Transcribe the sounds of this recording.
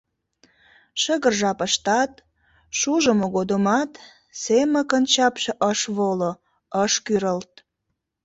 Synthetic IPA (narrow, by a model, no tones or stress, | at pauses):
ʃəɣərʒɑpəʃt̪ɑt̪ | ʃuʒəmoɣod̪omɑt̪ | semə̆kənt͡ɕɑpʃeʔəʃβolo | əʃkyɾəlt̪̚